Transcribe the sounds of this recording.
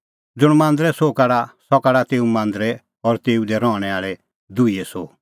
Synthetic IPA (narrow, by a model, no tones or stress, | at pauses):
d͡zʊɽ̃mãːnd̪ɾɛsokaɽasɔkaɽat̪eːumãːnd̪ɾɛ | ɔɾt̪eːud̪ɛɾɔ̃ːɽ̃ɛaːɭɛ | d̪uiɛso